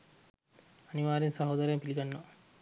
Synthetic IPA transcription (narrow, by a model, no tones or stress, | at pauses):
ɐniʋaːɾinsɐɦoːd̪ɐɾejɐmpiliɡanːo